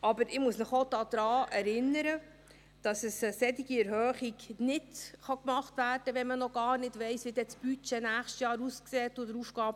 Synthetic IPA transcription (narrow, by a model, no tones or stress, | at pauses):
ɑbəɾɪmusnɪχodɑːd̥̪ɾɑːʔɛɾɪnəɾə | d̥ɑsəsəsɛtiɡiɛɾhœːχiɡnɪdχɑkmɑχtvæːrd̥əʋɛmənɔɡ̥ɑːrnɪdʋɛɪsʋid̥ɛt͡sb̥yt͡ʃɛnæːχʃtjɑːɾuskseːtːʊdəɾufɡ̥ɑːb